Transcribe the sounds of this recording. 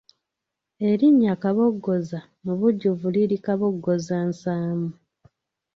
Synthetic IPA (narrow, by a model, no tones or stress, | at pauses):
e̞ɾiɲːakaβo̞ɡːo̞za | muβuɟːuvuliɾikaβo̞ɡːozaːnsaːmu